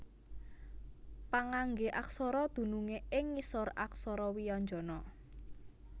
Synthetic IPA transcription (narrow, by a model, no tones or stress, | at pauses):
paŋaŋɡeʔaksɔɾɔd̪̥ṳnuŋeɪŋːisɔraksɔɾɔwijɔɲd͡ʒɔ̤nɔ